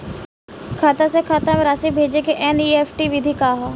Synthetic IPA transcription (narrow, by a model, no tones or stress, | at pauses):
kʰaːt̪asekʰaːt̪ãmẽɾaːsibʱeːd͡ʒekeʔɛːniːeːpʰʈiʋid̪ʱiːkaːɦa